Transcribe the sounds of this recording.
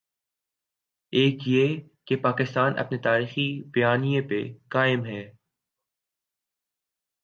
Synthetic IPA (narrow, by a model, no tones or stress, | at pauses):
eːkje | kepaːkɪst̪aːnʔɐ̰pnet̪aːɾiːxibɐjaːnijẽpekaːɪmɦɛː